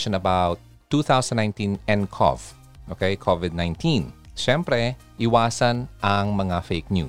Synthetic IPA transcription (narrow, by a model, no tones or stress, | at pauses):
ʃɔ̃nɐbawt̪ːuθawsɐ̃nːãjnt̪ĩnɛ̃nkʰɔ̰v̥ | ʔoːkɛjkʰovɪd̪̚nãj̃nt̪ʰĩnʃɛmpɾɛ | ʔɪwaːsɐnʔɐŋmɐŋafejk̚njṵː